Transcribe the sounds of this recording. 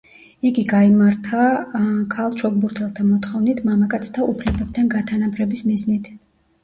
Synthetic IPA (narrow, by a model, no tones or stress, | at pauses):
iɡiɡaimaɾt̪ʰakʰalˠʃʰɔɡʼbuɾt̪ʰɛlˠt̪ʰamɔt̪χɔvnit̪ʰmamakʼat̪sʰt̪ʰaupʰlɛbɛb̥̚t̪ʰanɡat̪ʰanapʰɾɛbismiznit̪ʰ